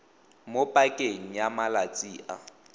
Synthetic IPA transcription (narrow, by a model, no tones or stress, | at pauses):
mopʼakʼeŋ̩jamalat͡sʼiːʔa̰